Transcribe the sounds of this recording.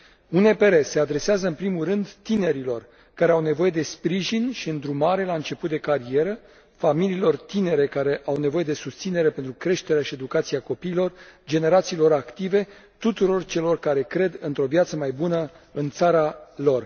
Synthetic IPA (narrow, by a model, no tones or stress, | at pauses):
unepe̞ɾese̞ad̪ɾe̞seazəɨnpɾimuɾɨnd̪t̪ine̞ɾilo̞r | kaɾe̞awne̞vo̞je̞d̪e̞spɾiʒinʃiɨnd̪ɾumaɾe̞laɨnt͡ʃe̞put̪̚d̪e̞kaɾie̞ɾə | familiːlo̞rt̪ine̞ɾe̞kaɾe̞ʔawne̞vo̞je̞d̪e̞sust̪sine̞ɾe̞pent̪ɾukɾe̞ʃt̪e̞ɾeaʃie̞d̪ukat̪siako̞piːlo̞rd͡ʒe̞ne̞ɾat̪siːlo̞ɾakt̪ive̞ | t̪ut̪uɾo̞rt͡ʃe̞lo̞rkaɾe̞kɾe̞d̪ɨnt̪ɾo̞vjat̪səmajbunə | ɨnt̪saɾalo̞r